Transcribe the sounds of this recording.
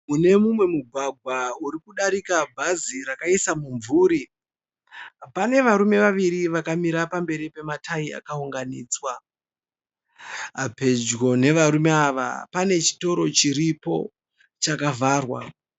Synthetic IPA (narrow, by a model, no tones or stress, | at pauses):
mune̞mumwe̞muɡʱwaɡʱwauɾikuɗaɾikabʱaziɾakaisamuɱvuːɾi | pane̞ʋaɾume̞ʋaʋiɾiʋakamiɾapambe̞ɾipe̞matʰaia̰kauŋɡaniːt͡swa | ape̞d͡ʒɡo̞ne̞ʋaɾume̞aʋa̰pane̞t͡ʃi̥to̞ɾo̞t͡ʃiɾipo̞̰ | t͡ʃakavʱaːrwa̰